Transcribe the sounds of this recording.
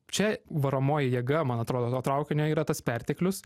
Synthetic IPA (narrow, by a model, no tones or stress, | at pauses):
t͡ʃʲɛʋɐɾoːmoːjɪjiɛɡɐmɐnɐt̪ɾoːd̪oːt̪oːt̪ɾɐʊkʲɪnʲoːiːɾɐt̪ɐspʲɛɾʲt̪ʲɛklʲʊs